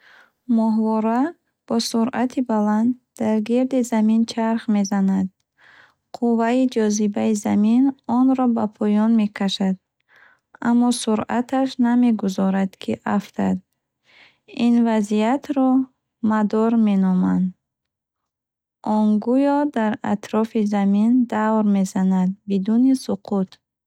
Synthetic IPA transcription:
mɔɦvɔɾa | b̥ɔsuɾat̪ʰibaland̪d̪aɾɡiɾd̪izamint͡ʃʰaɾχme̞zanad̪̚ | qʰuvaid͡ʒɔzibaizaminɔnɾɔbapʰɔjɔnme̞kʰaʃad̪̚ | amːɔsuɾa̰t̪ʰaʃname̞ɡuzɔɾad̪kʰiʔaft̪ʰa̰d̪̚ | invazijat̪ʰɾɔ | mad̪ɔɾme̞nɔmand̪ | ʔɔnɡujɔd̪aɾa̰t̪ɾɔfizamind̪avɾme̞zanad̪̚bid̪unisuqʰut̪

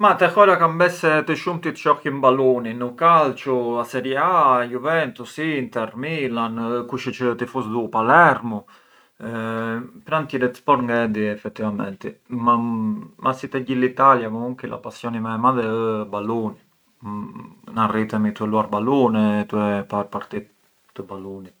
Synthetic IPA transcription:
mat̪ɛxɔɾakambɛsɛt̪əʃumt̪it̪ə̥t͡ʃɔximbaluninukalt͡ʃuasɛɾiajuvɛnt̪usiːnt̪ɛɾmilankuʃit͡ʃət̪ifusd̪upalɛɾmu | pɾant̪jiɛɾɛt̪spɔɾŋɡɛd̪iɛfɛt̪ːivamɛ̰nt̪ɛmamasit̪ɛɟilit̪aljamɔuŋkila̰pasjɔnimɛmaðɛəbaluni | narit̪ɛmit̪uɛluaɾbalunɛt̪uɛpaɾpaɾt̪it̪ː | əbaluni

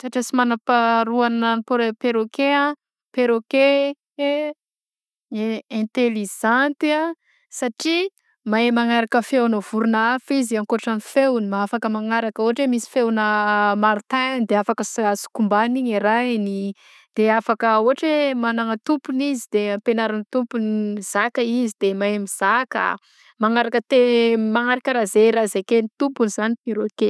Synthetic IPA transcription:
saʈ͡ʂesimanapaɾuananpoɾpeɾokea | peɾoke | e | ɛ̃nt̪eliʒant̪ia | saʈ͡ʂi | maemaŋaɾakəfewnəv̥uɾunaafiziaŋkoʈ͡ʂanifewnimaafakəmaŋaɾakəuoɦaʈ͡ʂemisi̥fewnəmaɾit̪and̪eafakəsasi̥kumbaniɲeɾani | d̪̥eafakəuɦaʈ͡ʂemanaŋət̪umpunizid̪epenaɾanit̪umpuniiz̥akəizid̪emaemiz̥aka̰ | maŋaɾakət̪emaŋaɾakəɾazeɾazekenit̪upunizaniiɾoike

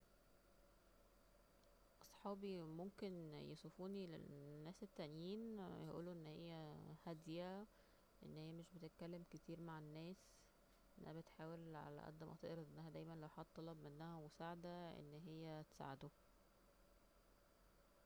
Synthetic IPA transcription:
ʔɑsˤħɑːbimomkenjḛsˤofuːnilḛnːæːset̪ːæʔnjiːnjeʔṵːluʔenːhejːæhæd̪jæ | ʔḛnːhejːæmeʃbet̪et̪̚kælːemket̪iːɾmaʕenːæːs | ʔʔenːʔæ̰hæbet̪ħaːwelʕa̰læ̰ʔæ̰d̪ːæmʔɑ̰t̪ˤɑ̰ːʔeɾɑʔ̪ʔenːæhæd̪æjmænlæwħɑd̪̚ˤːɑlɑbmenːæhæwosaʕd̪æʔḛnːɦejːæt̪e̥sa̰ʕed̪o

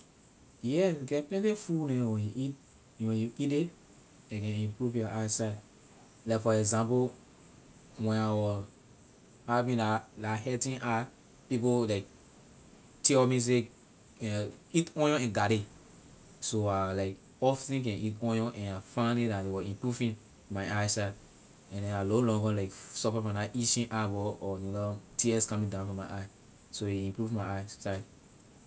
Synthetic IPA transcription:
jɛɡɛplɛ̃ntefunɛ̃wɛ̃juʔit | wɛ̃juite | ekɛ̃ĩmpɹuvjɔʔaɪsaɪd | laɪkfɔɛɡzãmpo | wɛ̃nawɔ | havĩndalahɛtĩnʔa | pipolaɪk̚ | tiɔmĩs̬e | ɛ̃itɔ̃jɔ̃ɛ̃nɡaɾe | soalaɪk | ɔfsĩk̬ɛ̃nitɔ̃jɔ̃ʔɛ̃nafãnlidatdewɛĩmpɹuvĩn | maɪaɪsad | ɛ̃ndɛ̃nalolɔ̃ŋɡɔ̃laɪksɔpafãnaʔit͡ʃĩʔabɔɔnolɔtʰiɛskãmĩŋdãʊ̃nfɹɔ̃maɪʔaɪ | soeĩmpɹuvmaɪasaɪd

